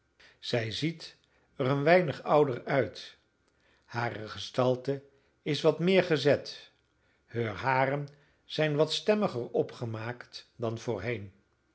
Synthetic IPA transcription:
z̥ɛjzit | ərənʋɛjnəχʌwdərœɥt | haːrəχəstɑlˠtə | ɪsʋɑtmɪːɹχəzɛt | høːɹɦaːrən | z̥ɛjnʋɑtstɛməχərɔpχəmaːktdɑnv̥ʊːɹɦejn

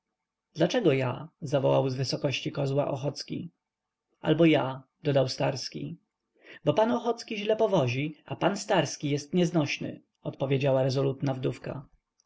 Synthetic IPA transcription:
d̪lat͡ʂɛɡɔja̰zavɔwa̰wzvɘsɔkɔɕt͡ɕikɔzwa̰ʔɔxɔt̪skʲḭ | a̰lbɔjad̪ɔd̪awst̪aɾskʲḭ | bɔpanɔxɔt̪skʲiʑlɛpɔvɔʑiapanst̪aɾskʲijɛst̪ɲɛznɔɕnɘ̰ | ɔt̪pɔvʲed͡ʑawaɾɛzɔlut̪navd̪ufka̰

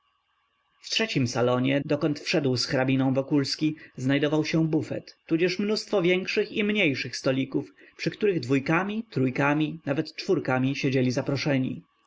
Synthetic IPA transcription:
ftʂɛt͡ɕimsalɔɲɛd̪ɔkɔnt̪fʂɛd̪wsxɾabʲinɔ̃w̃vɔkulskʲiznajd̪ɔvawɕɛ̃bufɛ̰t̪ːud͡ʑɛʂmnust̪fɔvʲjɛŋkʂɘximɲejʂɘxst̪ɔlʲikufpʂɘkt̪uɾɘɣd̪vujkamʲit̪ɾujkamʲinavɛt̪t͡ʂfuɾkamʲiɕed͡ʑelʲizapɾɔʂɛɲḭ

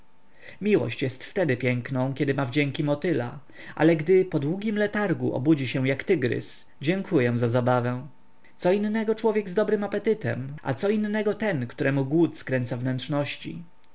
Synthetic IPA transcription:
mʲiwɔ̰ɕt͡ɕjɛst̪ft̪ɛd̪ɘpʲjɛŋknɔ̃w̃kʲɛd̪ɘmavd͡ʑɛŋkʲimɔt̪ɘla̰ | ʔa̰lɛɡd̪ɘpɔd̪wuɡʲimlɛt̪aɾɡṵʔɔ̰bud͡ʑiɕɛ̃jakt̪ɘɡɾɘ̰s | d͡ʑɛŋkʰujɛ̃zazabavɛ̃ | sɔinːɛɡɔt͡ʂwɔvʲjɛɡzd̪ɔbɾɘmapɛt̪ɘt̪ɛ̰mʔa̰t̪sɔinːɛɡɔt̪ɛnkt̪uɾɛmuɡwut̪skɾɛnt̪savnɛntʂnɔɕt͡ɕḭ

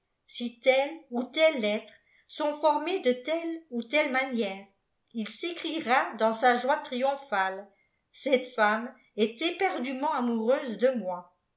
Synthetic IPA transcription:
sit̪ɛlut̪ɛlːɛt̪χ | sɔ̃fɔʁmed̪ət̪ɛlut̪ɛlmanjɛːʁ | ilsekχiʁad̪ɑ̃saʒwat̪χijɔ̃fal | sɛt̪fam | ɛt̪ɛpɛʁd̪ymɑ̃amuʁøːzd̪əmwa

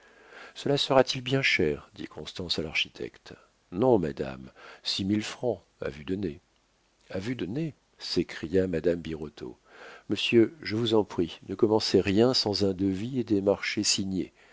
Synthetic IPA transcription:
səlasəʁat̪ilbjɛ̃ʃɛʁd̪ḭkʰɔ̃st̪ɑ̃salaʁʃit̪ʰɛ̰kt̪ | nɔ̃mad̪a̰msimilfχɑ̃ | a̰vyd̪əne | avyd̪əne | sekχijamad̪ambiʁɔt̪ʰo̰ | məsjøʒəvuzɑ̃pχinəkɔmɑ̃seʁjɛ̃sɑ̃zɛ̃d̪əvied̪emaʁʃesiɲḛ

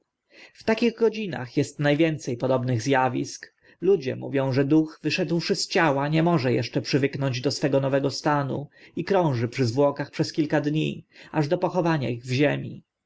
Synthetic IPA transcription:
ft̪akʲiɣɡɔd͡ʑina̰xjɛst̪najvʲjɛnt̪sɛjpɔd̪ɔbnɘɣzjavʲisk | lud͡ʑɛ̰muvʲjɔ̃w̃ʐɛd̪uxvɘʂɛd̪wʂɘst͡ɕawaɲɛmɔʐɛjɛ̰ʂt͡ʂɛpʂɘvɘknɔɲd͡ʑd̪ɔsfɛɡɔnɔvɛɡɔst̪anṵikɾɔ̃w̃ʐɘpʂɘzvwɔkaxpʂɛskʲilkad̪ɲḭaʐd̪ɔpɔxɔvaɲa̰iɣvʑemʲḭ

